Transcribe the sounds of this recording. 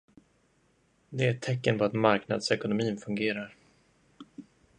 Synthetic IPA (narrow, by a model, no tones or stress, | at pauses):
d̪ɛæʈʰɛkːənpɔat̪maɾkna̰d̪sɛkʊnʊmiːnfɵŋɡeːɾaɾ